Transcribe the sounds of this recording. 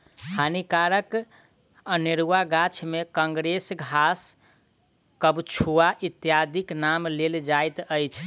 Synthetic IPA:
hʰanikaɾək | əneɾuaɡat͡ʃʰmekə̃ŋɡɾesɡʱas | kəbt͡ʃʰuaʔit̪jad̪iknamleld͡ʒajt̪əjt͡ʃʰ

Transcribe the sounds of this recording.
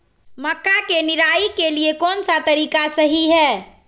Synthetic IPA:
məkːakeniɾaikeliekonsat̪əɾikasəɦiɦɛː

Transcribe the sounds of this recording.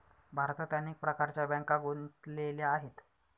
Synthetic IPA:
bʱaɾt̪at̪janek̚pɾəkaɾt͡ɕjabɛ̃ŋkaɡʱont̪leljaːɦet̪

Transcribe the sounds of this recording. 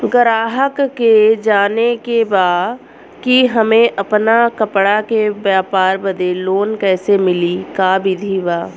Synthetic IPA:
ɡəɾaːɦəkːed͡ʒaːnekebaːd | kiɦɐmẽʔɐpnakɐpɽakebjaːpaːɾbɐd̪eloːnkɛːsemɪlikaːbɪd̪ʱibaː

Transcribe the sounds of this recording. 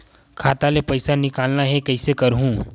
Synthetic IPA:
kʰaːt̪alepɐɪsanɪkaːlnaɦɛkɐɪsekɐɾɦũː

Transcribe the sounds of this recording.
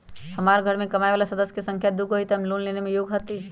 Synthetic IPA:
həmaːɾɡʱəɾmẽkɐmaːeʋaːlasəd̪əsjkesə̃ŋkʰjad̪uɡɦoit̪aɦmloːnleːnemẽjoːɡɦət̪i

